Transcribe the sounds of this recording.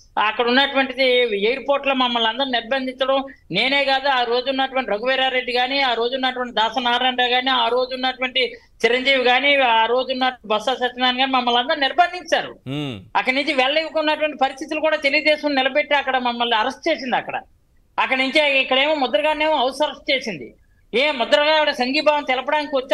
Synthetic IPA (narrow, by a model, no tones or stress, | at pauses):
ɐkːɐɽunːɐʈuʋɐɳʈid̪iejɾpoːɾʈlɐːmɐmːɐlɐnd̪ɐɾuniɾbɐnd̪iɲt͡ʃɐɽɐm | ne̞ːne̞ːɡaːd̪uaːɾo̞ːd͡ʒunːɐʈuʋɐɳʈiɾɐɡuʋɛːɾaːɾe̞ɖːiɡaːniaːɾo̞ːd͡ʒuunːɐʈuʋɐɳʈid̪aːsɐnaːɾɐɳɖaːɡaːniaːɾo̞ːd͡ʒuunːɐʈuʋɐɳʈi | t͡ʃiɾɐɲd͡ʒiːʋiɡaːniaːɾo̞ːd͡ʒunːɐbɐsaːsɐt͡ʃːɐnd̪aːniɡaːnimɐmːɐlɐnd̪ɐɾuniɾbɐnd̪ʱiɲt͡ʃaːɾṵɐkːɐɽnuɲt͡ʃiʋɛlɐliʋukunːɐʈuʋɐɳʈipɐɾist̪ʰit̪ulukuːɽaːt̪e̞liɡud̪ɛːʃɐmnilɐbeʈːeːɐkːɐɽɐmɐmːɐlniɐɾɐsʈ̚t͡ʃeːsind̪iɐkːɐɽɐ̰ | ɐkːɐɽnuɲt͡ʃeikːɐɽeːmoːmɔd̪ɐʈɡaːne̞ːmuɐwsɐɾɐsʈ̚t͡ʃe̞ːsind̪ḭ | emɔd̪ɐɾɡaːkːɐɽɐsɐŋɡiːbaːʋɐmt̪ɛlɐpɐɽaːnikiʋɐt͡ʃːa